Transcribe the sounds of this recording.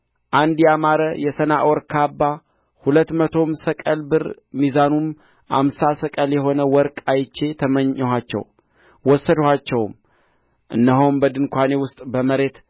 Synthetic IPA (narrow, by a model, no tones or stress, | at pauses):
ʔand̪jɛamaɾəjɛsəna̰ʔɔɾkʰabːa | hulət̪ːmət̪ʰo̞msəkʼəlbɨɾ | mizanum | ʔa̰msasəkʼəljɛɦo̞nəwɔɾkʼajt͡ʃːe̞t̪ʰəməɲːɦat͡ʃːɛ̰w | wɔsːəd̪hat͡ʃːɛwm | ʔɨ̰nːəɦowmbəd̪ɨnkʷane̞wʊst̪ʼbəməɾe̞t̪